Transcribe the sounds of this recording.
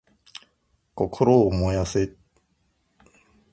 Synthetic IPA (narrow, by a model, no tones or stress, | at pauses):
kɔkʰʊɾomɔjasɪt̚